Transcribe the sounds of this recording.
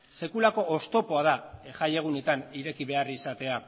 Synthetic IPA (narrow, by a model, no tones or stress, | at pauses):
se̞kulako̞ʔost̪o̞po̞að̞aʝaje̞ɣ̞une̞t̪aniɾe̞kiβe̞arisat̪e̞a